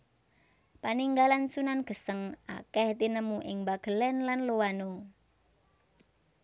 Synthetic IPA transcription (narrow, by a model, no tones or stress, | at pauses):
paniŋɡalansunanɡ̥ə̤səŋa̰kɛht̪inəmuʔɪŋbaɡ̥ə̤lɛnlanlowano